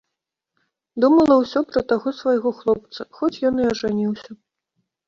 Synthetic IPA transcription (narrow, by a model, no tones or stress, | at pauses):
d̪umɐlˠɐwsʲɔpɾɐt̪aɣɔsvajɣɔxlˠɔp̚t̪sɐxɔt͡sʲjɔnɨɐʐanʲiwsʲɐ